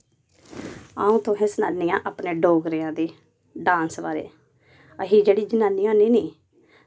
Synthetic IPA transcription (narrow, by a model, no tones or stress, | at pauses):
aːũːt̪õɦɛ̃ːsənaːnijãːʔaːpneːɖoːɡɾɪjãːd̪eː | ɖãːnsʋaːɾḛː | əɦiːd͡ʒeːɽiːd͡ʒənaːniːɦoːniːniː